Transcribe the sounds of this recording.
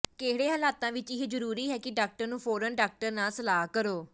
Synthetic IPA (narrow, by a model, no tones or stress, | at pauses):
keɦɽeːɦəlaːt̪ãːʋɪt͡ʃɪɦeːd͡ʒəɾuːɾiːɦɛːkɪɖaːk̚ʈəɾnũːfʰɔːɾənɖaːk̚ʈəɾnaːsəlaːɦkəɾoː